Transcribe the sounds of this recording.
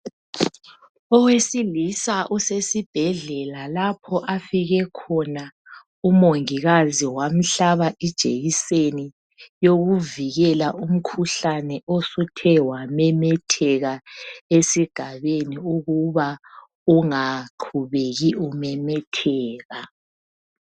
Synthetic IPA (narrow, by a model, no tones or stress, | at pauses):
ɔwesilisaʔusesib̥ʱɛɮɛlalapʰɔʔafiɣɛkʰɔna | umoŋiɣaziwam̩ɬaβaʔid̥ʒ̥ʱḛɣiseni | joɣuviɣɛlaʔum̩kʰuɬanɛʔosutʰɛwamɛmɛtʰɛɣaesiɡ̥ʱaβeniuɣuβa | uŋaǃʰuβeɣiumɛmɛtʰɛːɣa